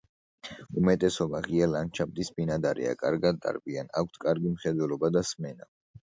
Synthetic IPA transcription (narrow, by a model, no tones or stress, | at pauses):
umɛt̪ʼɛsɔbaʁiɛlant͡ʃʰab̚d̪isbinad̪aɾɛ̰a̰kʼaɾɡad̪a̰ɾbianak̚ʷʰt̪ʰkʼaɾɡimχɛd̪wɛlɔbad̪asmɛna